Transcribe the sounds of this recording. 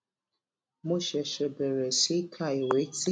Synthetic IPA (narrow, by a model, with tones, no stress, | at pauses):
mo˦ʃe˨ʃe˨be˨ɾe˨si˦kʰa˦˨e˨we˨˦ti˦